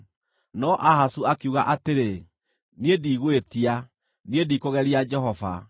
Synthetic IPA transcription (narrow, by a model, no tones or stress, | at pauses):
nɔʔaɦasuakuɣaʔateɾe | niediːɣwetia | niediːkoɣɛɾiad͡ʒɛɦɔva̰